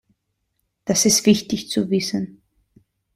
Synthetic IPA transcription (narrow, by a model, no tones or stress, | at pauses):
d̥asɪstv̥ɪçtɪçt͡suvɪsən